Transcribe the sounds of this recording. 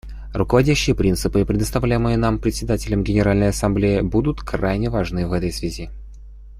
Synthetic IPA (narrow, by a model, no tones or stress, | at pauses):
rʊkəvɐdʲæɕːɪjəpɾʲint̪sɨpɨɪpɾʲɪd̪əst̪ɐvlʲæjɪmɨjənampɾʲɪt̪sʲɪd̪atʲɪlʲəmɡʲɪnʲɪɾalʲnəjɐsɐmblʲejɪbud̪ʊt̪kɾajnʲɪvɐʐnɨvɛt̪əjsvʲɪzʲi